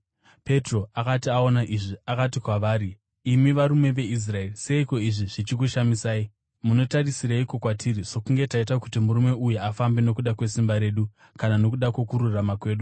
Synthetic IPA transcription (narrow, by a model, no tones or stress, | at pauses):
pe̞tro̞akatiao̞naʔiʐiakatikwaʋaːɾiː | miʋaɾume̞ʋe̞is̬rae̞rise̞iko̞iʐiʐit͡ʃik̬uʃamisaːi | muno̞tarisiɾaiko̞kwatiɾiso̞kuŋɡe̞taitakutimuɾume̞ujuafambe̞no̞kuɗakwe̞simbaɾe̞ːɗu | kanano̞kuɗakwo̞kuɾuramakwe̞ːɗu